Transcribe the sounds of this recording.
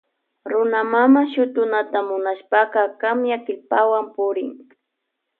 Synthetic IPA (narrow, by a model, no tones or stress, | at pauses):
ɾʊnamamaʃʊt̪ʊnat̪amʊnaʃpɑqɑkamjakɪlpawampʊɾɪŋ